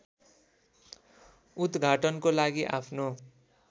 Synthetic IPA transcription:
ut̪ɡʱaʈʌnkolaɡiʔapʰno

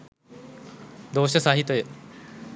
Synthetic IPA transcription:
d̪oːɕt̪esaɦit̪oe

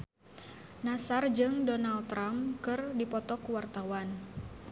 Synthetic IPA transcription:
nasard͡ʒɨŋdɔnalt̪ːɾamkɨrdipɔt̪ɔkuwart̪awan

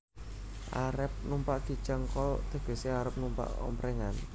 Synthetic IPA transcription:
ʔaɾəp̚numpaʔɡ̥i̤̥t͡ʃəŋkɔlt̪ə̤ɡ̥ə̤seaɾəp̚numpa̰ʔɔ̰mpɾɛŋan

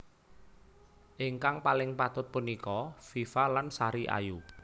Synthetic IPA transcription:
ʔɪŋkaŋpalɪŋpat̪ʊt̪̚punikɔfifalansaɾiʔa̰ju

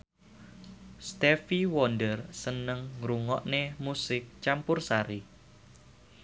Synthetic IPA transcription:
st̪ɛfiwɔndərsənəŋɾuŋɔ̰ʔnemusɪk̚t͡ʃampʊrsaɾi

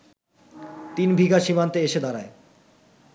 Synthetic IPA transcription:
t̪inbʱiɡaʃimant̪eeʃed̪aɾae

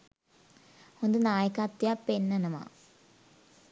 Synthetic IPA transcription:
ond̪ɨnaːjɐkːaːt̪ːjapenːɐnɐma̰

